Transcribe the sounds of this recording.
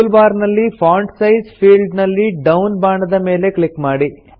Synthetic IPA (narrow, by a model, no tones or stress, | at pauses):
lbaːɾnɐlːipʰaːɳɖsɐjzpʰiːlɖnɐlːiɖɐwnbaːɳɐd̪ɐme̞ːle̞klikmaːɽi